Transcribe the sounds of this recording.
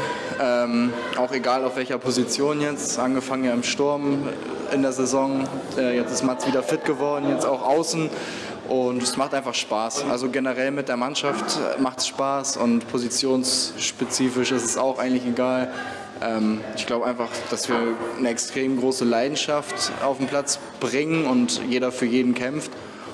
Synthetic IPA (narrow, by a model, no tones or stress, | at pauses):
ʔɛːm | ʔaʊxeɡaːlaʊfvɛlçɐpʰozit͡sjoːnjɛt͡sʔanɡəfaŋənjaːɪmʃtʊɐm | ʔɪ̰ndeːɐzezɔŋʔɛːjɛt͡sɪstmat͡sv̥iːdɐfɪt̚ɡ̥əvɔɐdn̩jɛt͡staʊxʔaʊsn̩ | ʔʊntɛsmaχtʔaɪnfaχʃpaːsʔa̰lzoɡenəʁɛlmɪt̚d̥eːɐmanʃaftmaχtsʃpaːsʊ̰ntpʰozit͡sjoːnsʃpet͡siːfɪʃɪstɛsaʊxʔaɪŋ̩tlɪçeɡaːl | ʔɛːmɪçɡ̥laʊəʔaɪnfaχd̥asv̥iːɐnəɛkstʁ̥eːmɡʁoːsəlaɪdn̩ʃaftaʊfm̩pʰl̥at͡s | b̥ʁɪŋənʊntjeːɾɐfyːɐjeːdn̩kʰɛmft